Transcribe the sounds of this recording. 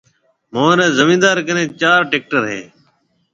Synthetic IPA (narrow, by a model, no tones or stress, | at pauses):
mõːnẽːzəmĩːnd̪aːɾkənẽːt͡ʃaːɾʈeːk̚ʈəɾɦḛː